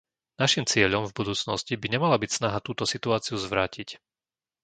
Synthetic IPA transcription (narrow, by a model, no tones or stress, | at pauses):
naʃimt͡sɪɛʎɔmvbud̪uːt͡snɔscibiɲɛmalabicsnaɦat̪uːt̪ɔsit̪uaːt͡siuzʋɾaːcic